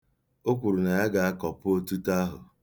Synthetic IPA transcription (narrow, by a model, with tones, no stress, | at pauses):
o˦kʷu˨ɾu˨na˨ja˦ɡa˨a˦kɔ˨pʊ˦o˦tu˦ta˦ɦʊ̰˨